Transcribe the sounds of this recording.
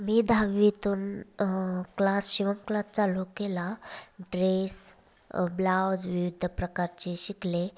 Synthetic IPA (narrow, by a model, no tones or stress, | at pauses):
miːd̪ʱaʋʋit̪uːn | klasɕiʋəmklast͡salukelaɖɾes | blawd͡zʋiʋid̪ʱːəpɾəkaɾt͡ɕeɕikle